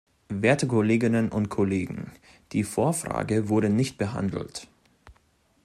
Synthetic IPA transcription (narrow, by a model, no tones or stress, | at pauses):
veːɐtəkʰʊleːɡɪnənʔʊnt̚kʰoleːɡŋ̩ | d̥iːfoːɐfʁ̥a̰ːɡəvʊɐɾənɪçt̚b̥əɦa̰ndl̩t